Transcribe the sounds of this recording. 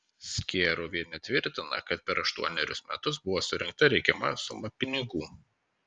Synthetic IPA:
sʲkʲeːɾuʋʲiɛnʲɛt̪ʲʋʲɪɾʲt̪ʲɪnɐ̰kɐt̪̚pʲɛɾɐʃt̪uɔnʲɛɾʲʊsmʲɛ̰t̪ʊs̬bʊʋoːsʊɾʲɪŋk̚t̪ɐɾʲɛɪkʲɛmɐ̰sʊmɐpʲɪnʲɪɡuː

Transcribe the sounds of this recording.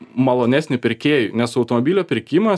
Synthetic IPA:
mɐlˠoːnʲæːsʲnʲɪpʲɪɾʲkʲeːjʊnʲɛsɐʊt̪oːmobʲilʲoːpʲɪɾʲkʲɪmɐ

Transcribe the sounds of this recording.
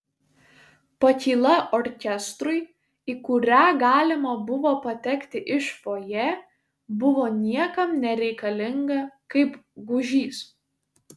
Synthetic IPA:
pɐkʲiːlˠɐʔɔːɾʲkʲɛst̪ɾʊɪ | iːkʊɾʲæːɡɑːlʲɪmɐbʊʋoːpɐt̪ʲɛkʲt̪ʲɪʔɪʃʋoːjɛ | bʊʋoːnʲiɛkɐmnʲɛɾʲɛɪkɐlʲɪŋɡɐkɐɪpɡʊʒʲiːs

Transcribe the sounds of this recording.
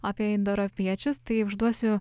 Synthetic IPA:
aːpʲiɛɪnd̪oɾopʲiɛt͡ʃʲʊst̪ɐɪʊʒd̪uɔsʲʊ

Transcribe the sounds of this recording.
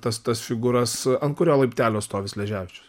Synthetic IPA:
t̪ɐst̪ɐsfʲɪɡuːɾɐsɐnt̪̚kʊɾʲoːlˠɐɪpʲt̪ʲæːlʲoːtst̪oːʋʲɪslʲɛʒʲæːʋʲɪt͡ʃʲʊs

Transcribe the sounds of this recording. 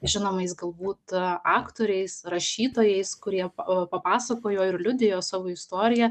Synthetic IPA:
ʒʲɪnoːmɐɪsɡɐlˠbuːt̪ɑːkt̪oːɾʲɛɪsɾɐʃʲiːt̪oːjɛɪskʊɾʲiɛpɐpɑːsɐkoːjoːɪrlʲʊd̪ʲɪjoːsɑːʋoːɪst̪oːɾʲɪjɛ

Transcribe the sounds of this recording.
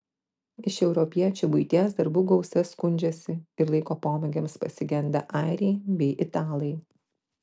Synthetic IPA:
ɪʃɛʊɾɔpʲiɛt͡ʃʲubʊɪt̪ʲiɛsd̪ɐɾbuːɡɒʊsʲɛskʊnʲd͡ʒʲɛsʲɪɪɾlˠɐɪkoːpoːmʲɛɡʲemspɐsʲɪɡʲɛnʲd̪ɐʔɑˑɪɾʲɛɪbʲɛɪʔɪt̪ɑːlˠɐɪ

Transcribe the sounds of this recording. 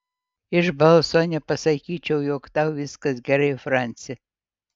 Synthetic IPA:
ɪʒbɐlˠsonʲɛpɐsɐkʲiːt͡ʃʲɛwjoːkt̪awvʲɪskɐsɡʲɛɾɐjfranʲt͡sʲj

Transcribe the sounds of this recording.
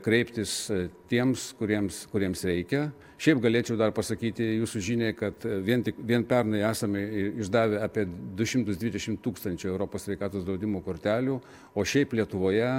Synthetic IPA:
kɾʲɛɪpʲt̪ʲɪst̪ʲiɛmskʊɾʲiɛmskʊɾʲiɛmsɾʲɛɪkʲɛ | ʃʲɛɪpɡɐlʲeːt͡ʃʲɛʊd̪ɐrpɐsɐkʲiːt̪ʲɪjuːsuʒʲiːnʲɛɪkɐt̪ʋʲiɛnt̪ʲɪkʋʲiɛnpʲɛrnɐæːsɐmɪɪʒd̪ɑːʋʲɪɑːpʲiɛd̪ʊʃʲɪmt̪ʊsd̪ʲʋʲɪd̪ʲɛʃʲɪmt̪uːkst̪ɐnʲt͡ʃʲʊːɛʊɾoːpoːssʲʋʲɛɪkɑːt̪oːsd̪ɾɐʊd̪ʲɪmoːkoːɾʲt̪ʲæːlʲuː | oːʃʲɛɪplʲiɛt̪ʊʋoːjɛ

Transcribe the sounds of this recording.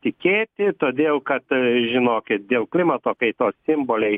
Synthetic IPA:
t̪ʲɪkʲeːt̪ʲɪt̪oːd̪ʲeːlˠkɐt̪ʒʲɪnoːkʲɪt̪̚d̪ʲeːlˠklʲɪmɐt̪oːkɐɪt̪oːssʲɪmboːlʲɛɪ

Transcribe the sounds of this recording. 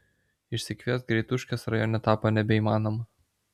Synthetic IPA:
ɪʃʲsʲɪkʋʲiɛsɡɾʲɛɪt̪ʊʃʲkʲɛsɾɐjɔːnʲɛt̪ɑːpɐnʲɛbʲɛiːmɑːnomɐ

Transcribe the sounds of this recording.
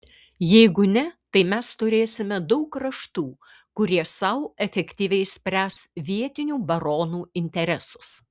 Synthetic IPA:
jɛɪɡʊnʲɛt̪ɐɪmʲɛst̪ʊɾʲeːsʲɪmʲɛd̪ɐʊkɾɐʃt̪uː | kʊɾʲiɛsɐʊɛfʲɛkt̪ʲiːʋʲɛɪsʲpʲɾʲæːsʋʲiɛt̪ʲɪnʲuːbɐɾoːnuːɪnʲt̪ʲɛɾʲɛsʊs

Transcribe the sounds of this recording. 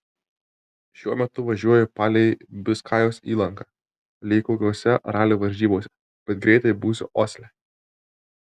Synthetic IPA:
ʃʲuɔmʲɛt̪ʊʋɐʒʲuɔjɛpɑːlʲɛɪbʲɪskʰɑːjoːsiːlˠɐŋkɑː | lʲeɪkoːkʲuɔsʲɛɾɑːlʲuːʋɐɾʲʒʲiːboːsʲɛ | b̥ʲɛt̪̚ɡɾʲɛɪt̪ɐɪbuːsʲʊ̰ʔoːsʲlʲɛ

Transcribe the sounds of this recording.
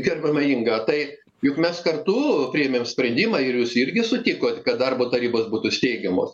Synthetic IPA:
ɡʲɛrʲbʲɐmɐɪŋɡɐːt̪ɐɪ | jʊkmʲɛskɐrt̪upʲɾʲiɛmʲeːmsʲpʲɾʲɛnʲd̪ʲɪmɑːɪrjuːsɪrʲɡʲɪsʊt̪ʲɪkoːt̪ʲkɐt̪̚d̪ɐrboːt̪ɐɾʲiːboːsbuːt̪ʊsʲt̪ʲɛɪɡʲɛmo̰ːs

